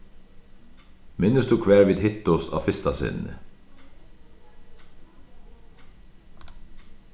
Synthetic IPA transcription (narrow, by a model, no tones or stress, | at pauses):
mɪnəsd̪ʉːkʰʋæːɹʋiːd̪hɪt̪ʊsɑ̰ːfɪst̪ɑsɪ̰nə̰